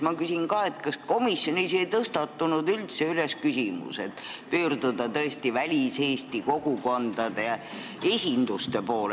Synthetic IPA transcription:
mɑkysinkɑːe̞t̪kɑsko̞misjo̞nisejt̪ɤst̪ɑt̪ːunud̪ylt̪se̞yle̞skysimṵse̞t̪ːˑpyːrd̪ud̪ɑt̪ɤest̪ivælʲiseːst̪iko̞ɡ̥uko̞nd̪̥ɑd̪̥e | esʲind̪̥ust̪e̞po̞ːle

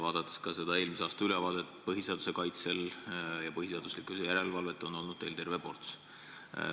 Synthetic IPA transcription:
vɑːd̪̥ɑt̪ːˑeskɑse̞d̪ɑe̞ːlmiseɑːst̪ɑylevɑːd̪et̪pɤɦiseɑd̪use̞kɑjt̪se̞ljɑpɤɦis̬eɑd̪uslikˑusejæɾe̞lvɑlve̞t̪ːˑo̞no̞lnud̪̥ne̞jlt̪e̞rve̞po̞rt̪s

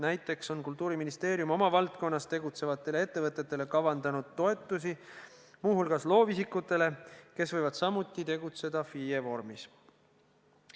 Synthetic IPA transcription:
næjt̪ːˑe̞kso̞nkult̪ːˑuːɾiminist̪e̞ːɾjumo̞mɑvɑlt̪̚ko̞nːɑst̪e̞ɡut̪se̞vɑt̪ːˑe̞lee̞t̪ːe̞vɤt̪ːˑet̪ːˑe̞le̞kɑvɑnd̪ɑnud̪̥t̪ːo̞e̞t̪ːˑus̬i | muːɦulɡ̥ɑslo̞ːvisikːˑut̪ːˑe̞le̞ke̞svɤjvɑd̪̥sɑmut̪ːˑit̪e̞ɡut̪se̞d̪̥ɑfiːevo̞rmis

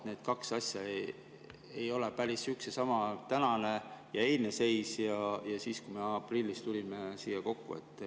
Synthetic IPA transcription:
ne̞ːd̪̥kɑksɑsʲjɑe | ejo̞lepæɾisyksesɑmɑt̪ænɑne̞jɑe̞ːlʲnese̞jsjɑjɑsiːskume̞ɑprilːist̪ulʲimesiːjɑko̞kːṵe̞̰t̪ːˑ

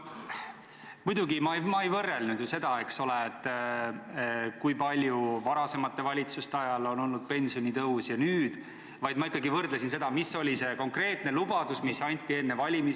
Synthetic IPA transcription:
mujd̪̥uɡimɑmɑejvɤrːe̞lnud̪juse̞d̪̥ɑe̞kso̞le̞et̪ːˑ | kujpɑlʲjuvɑɾɑse̞mɑt̪ːˑe̞vɑlʲit̪sust̪eɑjɑlo̞no̞lnud̪̥̚pe̞nʲsio̞nʲit̪ɤɦusjɑnyːd̪̥ | vɑjd̪̥̚mɑikːˑɑɡivɤrd̪les̬ins̬e̞d̪ɑmisːo̞lʲise̞ko̞ŋkre̞ːt̪ˑne̞lubɑd̪̥usmisɑnʲt̪ʲːˑie̞nːe̞vɑlʲimi

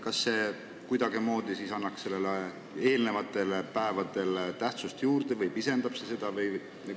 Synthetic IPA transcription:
kɑsːe̞ | kujd̪ɑɡimo̞ːd̪̥isisɑnːɑksse̞lːele | e̞ːlne̞vɑt̪ːˑe̞lpæevɑd̪̥e̞lt̪æht̪sust̪juːɾd̪̥evɯjpise̞nd̪̥ɑb̥sese̞d̪̥ɑvɯj

